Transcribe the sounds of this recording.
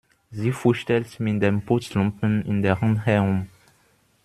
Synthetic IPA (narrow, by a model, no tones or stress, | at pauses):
ziːfʊʃtɛltmɪt̚d̥empʰʊt͡slʊmpənɪndeʁanhɛɐʁʊm